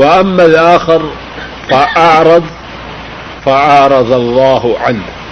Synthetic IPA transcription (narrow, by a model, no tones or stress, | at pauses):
wɪʔamːalʔaːxɪɾ | faʔɑʕɾˤɑd̪ˤ | faʕɑʕɾˤɑd̪ˤɑlˤːɑːhʕanh